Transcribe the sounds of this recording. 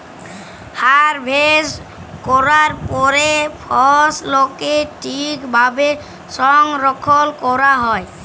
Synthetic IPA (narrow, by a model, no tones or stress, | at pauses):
haɾbʱes | kɔɾaɾpɔɾepʰɔslokeʈʰikbʱabe | sɔŋɾɔkʰɔlkɔɾaɦɔj